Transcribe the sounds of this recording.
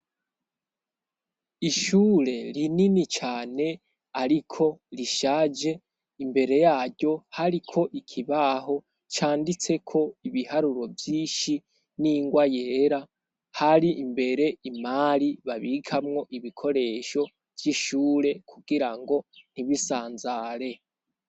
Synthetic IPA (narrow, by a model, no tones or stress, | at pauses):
iʃuːɾe̞ɾininit͡ʃaːne̞ | aɾikʰo̞ɾiʃaːd͡ʒe̞ | imbe̞ɾe̞jaːɾɟo̞haɾikʰo̞ʔikʰiβaɦo̞ | t͡ʃaːndit͡se̞kʰo̞iβihaɾuɾo̞vjiːʃi | niːŋɡwaje̞ːɾa | haɾiʔːmbe̞ɾe̞imaːɾiβaβikʰamŋo̞ʔiβikʰo̞ɾe̞ʃo̞ | v̥jiʃuːɾe̞kʰuɡiɾaŋɡo̞n̥iβisaːnzaɾe̞